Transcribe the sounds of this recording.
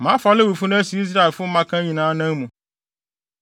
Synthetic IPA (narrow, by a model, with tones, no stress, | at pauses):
mã˦fa˨˦lɪ˦wu˨fʊ˦nʊ̃˦si˨i˦s̬ɾa˦e˨fʊ˦mã˦kʰã˦ɲĩ˨nãː˦nã˦ŋ˦mũ˨